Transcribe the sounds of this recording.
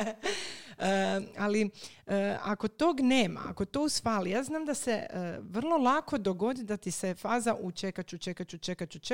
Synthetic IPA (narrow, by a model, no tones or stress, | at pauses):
əali | əa̰ko̞t̪oːɡneːma̰a̰ko̞t̪o̞usfaːlijaːznaːmd̪ase̞əʋr̩lˠo̞lˠako̞d̪o̞ɡo̞d̪id̪at̪isefaːzaʔut͡ʃekat͡ʃut͡ʃekat͡ʃut͡ʃekat͡ʃut͡ʃ